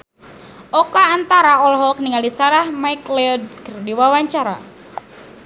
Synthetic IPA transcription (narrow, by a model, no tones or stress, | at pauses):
ʔɔkaːnt̪aɾaɔlɦɔk̚niŋalisaɾahmaiklɛɔdkərdiwawaɲt͡ʃaɾa̰